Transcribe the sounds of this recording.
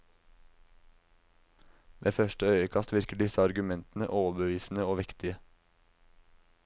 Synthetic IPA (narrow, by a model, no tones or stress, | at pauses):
ʋʔḛːfœʃʈəœʏəkʰɑst̪ʋɪɾkəɖɪsəɑɾɡʉmɛnt̪n̩ə̰ʔoːʋbəʋiːsn̩əoːʋɪkt̪ɪə